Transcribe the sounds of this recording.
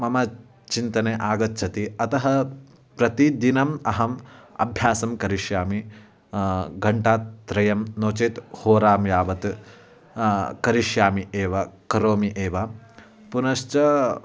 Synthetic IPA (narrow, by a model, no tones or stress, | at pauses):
mɐmɐ | t͡ʃint̪ɐneʔaːɡɐtːt͡ʃʰɐt̪iɐt̪ɐɦɐ | pɾɐt̪id̪inɐmɐɦɐmɐ̰bʱjaːsɐmkɐɾiʃjaːmi | ɡɐɳʈaːt̪ːɾɐjɐmnoːt͡ʃeːt̪hoːɾaːmjaːʋɐt̪ | kɐɾiʃjaːmiʔeːʋɐkɐɾoːmiʔeːʋɐ | punɐʃt͡ʃɐ